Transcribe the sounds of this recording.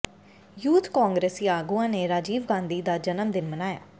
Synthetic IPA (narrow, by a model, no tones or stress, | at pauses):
juːt̪kaːŋɡɾeːsiːaːɡuãːneːɾaːd͡ʒiːʋɡãːnd̪iːd̪aːd͡ʒənəmd̪ɪnmənaːja̰ː